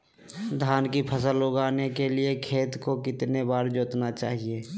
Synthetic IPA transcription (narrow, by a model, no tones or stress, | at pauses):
d̪ʱaːnkipʰəsəloːɡaːnekeliekʰeːt̪kokɪt̪nebaːɾd͡ʒoːt̪nat͡ʃa̰ːɦieː